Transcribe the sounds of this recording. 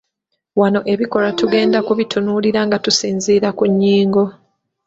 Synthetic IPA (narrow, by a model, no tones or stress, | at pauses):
wano̞ʔe̞βiko̞latuɡe̞ːndakuβitʰunuːliɾaŋɡatusiːnziːɾakuɲːiːŋɡo̞